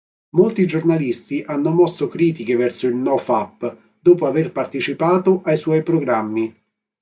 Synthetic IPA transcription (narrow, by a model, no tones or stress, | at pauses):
molt̪id͡ʒornalist̪iʔanːʊmɔsːokɾiːt̪ik̟evɛrsʊilnɔfapː | d̪ɔːpoaverpart̪et͡ʃipaːt̪ʊʔajswɔjpɾoɡɾamːi